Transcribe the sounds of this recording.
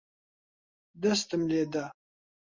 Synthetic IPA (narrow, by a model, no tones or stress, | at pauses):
d̪əst̪əmled̪a